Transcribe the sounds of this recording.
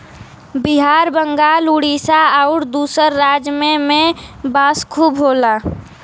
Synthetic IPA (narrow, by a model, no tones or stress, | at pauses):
bɪɦaːɾbəŋɡaːluɽisaaʊɾd̪uːsəɾːaːd͡ʒmẽmẽbaːskʰuːbɦoːlaː